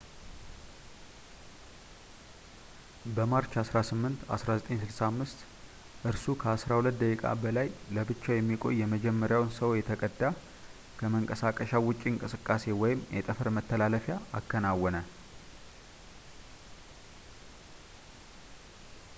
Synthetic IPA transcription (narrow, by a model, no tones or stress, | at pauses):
bəmaɾt͡ʃasɾasɨmːɨnt̪a̰sɾazət̪ʼeɲsɨlsaːmːɨst̪ | ʔɨɾsukʰəasɾahulət̪̚d̪əkʼikʼa̰bəlajləbɨt͡ʃːajɛmːikʼo̞̰jːɛməd͡ʒɛmːəɾjawnsəwjɛt̪ʰəkʼəd̪ːa | kʰəməŋkʼəsakʼəʃawʊt͡ʃʼːiɨŋkʼɨsɨkʼːase̞wɔjɪmjɛt̪ʼəfəɾmət̪ʰːəlaləfjaːkːənawɔnə